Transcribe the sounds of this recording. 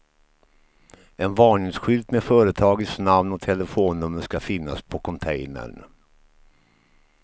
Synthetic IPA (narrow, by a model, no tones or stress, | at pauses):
ɛnvɑːɳɪŋsɧʏld̪mɛfœːɾət̪ʰɑːɡəsnamnɔt̪ʰɛləfoːnːɵmːəʂkafɪnːa̰spʰɔkʰɔnt̪ʰɛjnə̰ɳ